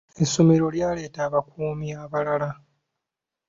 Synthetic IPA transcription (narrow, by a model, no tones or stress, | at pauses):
e̞someɾo̞ljaːle̞ːtaːβakuːmiaβalala